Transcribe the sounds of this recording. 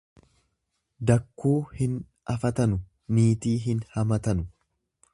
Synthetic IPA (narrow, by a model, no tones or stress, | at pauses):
d̪ɐkːuːhɪn | ɐfɐt̪ɐnʊ | niːt̪iːɦɪnhɐmɐt̪ɐnʊ